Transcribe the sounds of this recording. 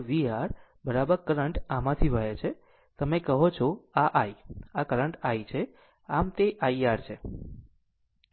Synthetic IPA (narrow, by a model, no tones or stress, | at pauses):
ʋiaɾ | bəɾabəɾkəɾəɳʈamãt̪ʰiʋəɦet͡ʃʰe | t̪əmekəɦot͡ʃʰoaʔajakəɾəɳʈajt͡ʃʰe | amt̪eʔajaɾt͡ʃʰe